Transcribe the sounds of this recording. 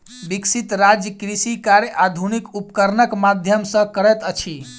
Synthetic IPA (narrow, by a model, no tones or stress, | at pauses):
biksit̪ɾad͡ʒjəkɾisikaɾjəʔad̪ʱunikupkəɾnəkmad̪ʱjəmsə̃kəɾɛt̪ət͡ʃʰi